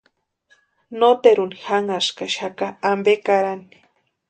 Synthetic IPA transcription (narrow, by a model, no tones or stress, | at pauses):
not̪eɾunixaŋaskaʃakaambekaɾani̥